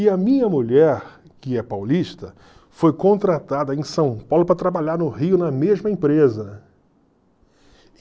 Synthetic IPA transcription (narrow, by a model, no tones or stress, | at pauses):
ɪɐmĩɲɐmuʎɛɾ | kɪɛpawliʃt̪ɐ | fojkõnt̪ɾat̪ad̪ɐẽj̃sɐ̃w̃pawlʊpɾɐt̪ɾabaʎaɾnʊhiʊnɐmeʒmɐẽpɾezɐ